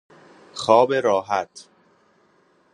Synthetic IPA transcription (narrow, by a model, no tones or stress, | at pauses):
xɒːbeɾɒːɦæt̪ʰ